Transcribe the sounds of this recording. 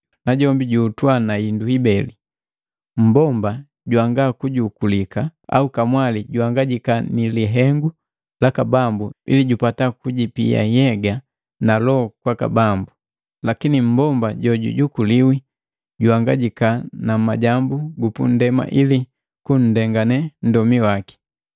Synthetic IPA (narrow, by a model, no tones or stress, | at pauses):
naɟɔmbiɟuːtwanainduibɛli | m̩bɔmba | ɟuaŋɡakuɟukulikaa̰ukamwaliɟuaŋɡaɟikaniliɦɛŋɡu | lakabambuḭliɟupatakuɟipḭja̰jɛɡa | nalɔkwaka̰bambu | lakinim̩bɔmbaɟɔɟṵɟukuliwi | ɟuaŋɡaɟikanamaɟambuɡupṵn̩dɛma̰ʔili | kun̩dɛŋɡanɛn̩dɔmiwaki̥